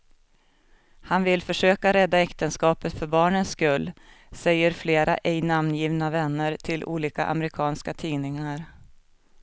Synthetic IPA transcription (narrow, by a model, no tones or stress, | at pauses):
hanvɪlfœʂøːkaɾɛd̪ːaɛkt̪ənskɑːpət̪fœɾbɑːɳənskɵlː | sɛjːəɾfleːɾʔa̰ʔɛjnamnjiːvnavɛnːəɾʈʰɪlʔṵːliːka̰ʔa̰mɾɪkʰɑːnskat̪ʰiːnɪŋaɾ